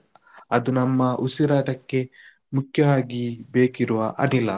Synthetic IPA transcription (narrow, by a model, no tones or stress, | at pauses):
ɐd̪unɐmːɐʔusiɾaːʈɐkːe̞ | mukjɐʋaːɡibeːkiɾuʋɐʔɐ̰nilːɐ